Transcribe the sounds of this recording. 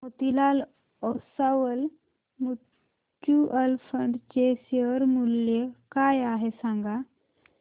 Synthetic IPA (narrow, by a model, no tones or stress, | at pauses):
ɦot̪ilal | ɔsaʋəl | mu | kjuʔəlfəɳɖt͡ɕeɕeʋəɾmuljekajaɦesãŋɡa